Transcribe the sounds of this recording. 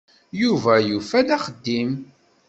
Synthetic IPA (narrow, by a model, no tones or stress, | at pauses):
juvæjufæd̪æχəd̪ːim